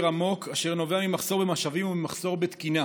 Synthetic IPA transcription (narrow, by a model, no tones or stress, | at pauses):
ʁamo̞kaʃe̞ʁno̞veamimaχso̞ʁbemaʃavimumimaχso̞ʁbet̪kina